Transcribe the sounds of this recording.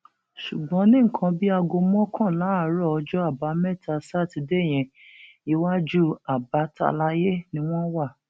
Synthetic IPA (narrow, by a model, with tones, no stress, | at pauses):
ʃu˨ɡ͡bɔ̃˨˦nĩ˦˨kʰã˧bi˦a˧ɡo˧mɔ̃˦kʰã˦˨la˨˦˨ɾɔ˦ɔ˧d͡ʒɔ˦a˦˨ba˨˦mɛ˦˨tʰa˧sa˦˨ti˨˧de˦˨j̃ɛ̃˨ | i˦wa˦d͡ʒu˦a˨ba˨˦ta̰˧la˧˦je˦nĩ˦w̃ɔ̃˦wa˦˨